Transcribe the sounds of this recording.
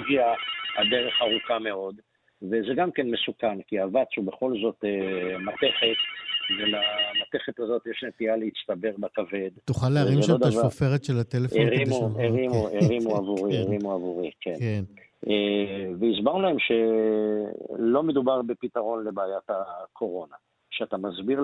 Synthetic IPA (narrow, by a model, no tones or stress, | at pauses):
viahad̪e̞ʁe̞χaʁukame̞o̞d̪ | vezeɡamke̞nmesukankiavat͡shube̞χo̞lzo̞t̪emat̪e̞χe̞t̪velamat̪e̞χe̞t̪azo̞t̪jeʃnet̪ialeit͡st̪abe̞ʁbakave̞d̪t̪uχaleaʁimotʃaod̪avaofeʁet̪ʃelat̪elefeʁimueʁimueʁimuavuʁieʁimuavuʁikenken | eveizbaʁnulae̞mʃe̞ | lo̞me̞d̪ubaʁbe̞pit̪aʁo̞nle̞baːjat̪akʰo̞ʁo̞na | ʃeat̪amazbiʁ